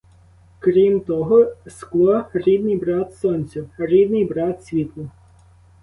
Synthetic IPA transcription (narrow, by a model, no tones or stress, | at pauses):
kɾʲimt̪ɔɦɔsklˠɔɾʲid̪nɪjbɾɑt̪sɔnʲt͡sʲʊɾʲid̪nɪjbɾɑt̪sʲʋʲit̪lˠʊ